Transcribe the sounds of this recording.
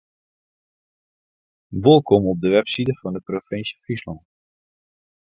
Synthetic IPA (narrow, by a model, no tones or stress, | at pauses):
ʋolˠkɔmɔp̚dəʋɛpsidəfɑndəprofɪnsə̥frislɑn